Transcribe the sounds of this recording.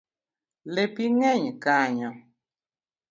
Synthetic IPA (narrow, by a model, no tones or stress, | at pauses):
lepiŋɛɲkaɲɔ